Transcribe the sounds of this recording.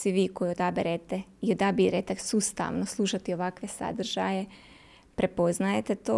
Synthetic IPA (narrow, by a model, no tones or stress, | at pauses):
sʋiʋiːko̞jiod̪abiɾet̪eiod̪abiɾet̪esust̪a̰ʋnoslˠuʃat̪io̞ʋakʋe̞sa̰d̪r̩ʒ̥a̰je̞ | pɾe̞po̞znajet̪et̪oː